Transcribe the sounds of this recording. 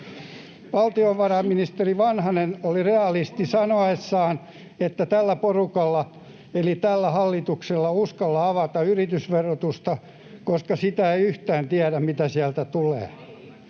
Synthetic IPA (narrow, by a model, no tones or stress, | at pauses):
ʋɑlt̪ioʋʋɑrɑmminist̪eriʋɑnhɑnenolireɑlist̪isɑnoesːɑːn | et̪ːæt̪ælːæporukɑlːɑ | elit̪ælːæhɑlːit̪ukselːɑuskɑlːɑɑʋɑt̪ɑyrit̪ysʋerot̪ust̪ɑ | koskɑsit̪æeiyht̪æːnt̪iæɾæmmit̪æsiælt̪æt̪ulḛː